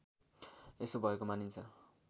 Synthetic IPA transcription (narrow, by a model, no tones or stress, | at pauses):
esobʱʌekomanint͡sʰʌ